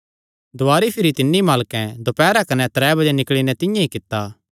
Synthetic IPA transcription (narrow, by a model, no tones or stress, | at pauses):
d̪ʊaːɾipʰɪɾit̪ɪnːimaːlkɛ̃d̪opɛːɾakɐnɛt̪ɾɛːbɐd͡ʒɛnɪkɭinɛ̃t̪ɪ̃jãikɪt̪ːaː